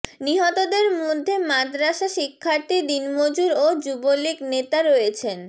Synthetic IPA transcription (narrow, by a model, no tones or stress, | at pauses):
niɦɔt̪od̪eɾmod̪ʱːemad̪ɾaʃaʃikʰːaɾt̪id̪inmod͡ʑuɾod͡ʑuboliknet̪aɾojet͡ɕʰen